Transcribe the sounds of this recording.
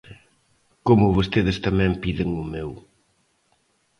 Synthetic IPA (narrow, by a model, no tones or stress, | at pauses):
komʊβost̪eðɪst̪amɛ̃mpiðɪŋʊmew